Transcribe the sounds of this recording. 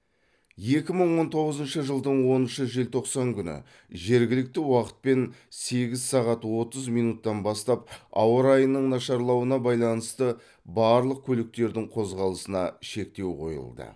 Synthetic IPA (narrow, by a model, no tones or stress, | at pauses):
je̞kʲɪməɴwo̞nt̪ʰo̞ʁəzənʃəʒəlˠd̪əɴwo̞nənʃəʒelt̪ʰo̞qsɑŋkʲʰʏnɪ̰ | ʒe̞ɾɡʲɪlɪk̚t̪ɪwɑqə̥t̪̚pe̞nse̞ɡʲɪzsɑʁɑt̪wo̞t̪əzmijnut̪ːɑnbɑst̪ɑp̚ɑ̰wəɾɑjənːəɴnɑʃɑɾlˠɑwənɑbɑjlˠɑnəst̪ə | bɑɾlˠəq̚kʲʰɵlɪk̚t̪e̞ɾd̪ɪŋqʰo̞zʁɑlˠəsənɑʃe̞k̚t̪e̞wqʰo̞̰jə̰lˠd̪ə̰